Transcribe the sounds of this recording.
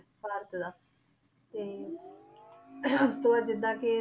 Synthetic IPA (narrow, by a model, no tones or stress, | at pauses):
paːɾt̪d̪aː | t̪eː | ʊst̪õːad͡ʒɪd̪ãːke